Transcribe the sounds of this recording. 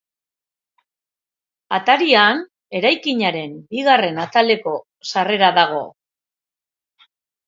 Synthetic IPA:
at̪aɾian | e̞ɾajkiɲaɾe̞mbiɣare̞nat̪ale̞ko̞ | sare̞ɾaðaɣ̞o̞̰

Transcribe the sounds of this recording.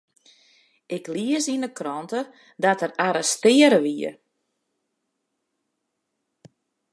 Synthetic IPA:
ʔɪkliəsinəkrɔntə | dɔtəraɾɛstɪəɾəʋiə̰

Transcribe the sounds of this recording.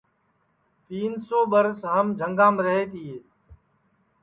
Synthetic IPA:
t̪iːnsoːɓəɾsɦəmd͡ʒʱəŋɡãːmɾəɦeːt̪iːeː

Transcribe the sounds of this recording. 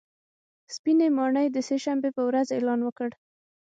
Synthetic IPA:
spinemɑɳəjd̪əseʃambepəwɾazelɑnwəkəɽ

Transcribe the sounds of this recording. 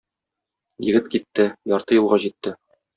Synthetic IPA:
jɘ̆ɡɘt̪kit̪ːɘjɒɾt̪ɤjulˠʁɑʑit̪ːɘ

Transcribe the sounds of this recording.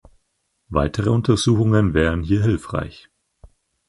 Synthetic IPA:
va̰ɪtʰəʁəʊntɐzuːxʊŋənvɛːʁənɦiːɐɦɪlfʁ̥a̰ɪç

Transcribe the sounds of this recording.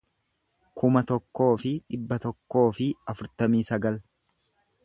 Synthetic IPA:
kʰʊmɐt̪ɔkːo̞ːfɪᶑɪbːɐt̪ɔkːo̞ːfɪɐfʊɾt̪ɐmiːsɐɡɐl

